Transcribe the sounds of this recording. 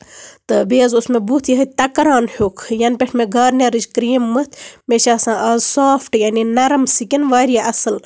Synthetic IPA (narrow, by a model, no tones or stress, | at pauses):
t̪ɨbeːzusmebut̪ʰjiɦɐt̪ɐkɾaːnhukʰjɐnpʲeʈʰmeɡɐːɾnʲeɾɨd͡ʒkɾiːmːɨt̪ʰmeʃaːsãːʔɐːzsaːfʰʈjaːninɐɾɐmsikʲinʋaːɾijaʔɐsɨl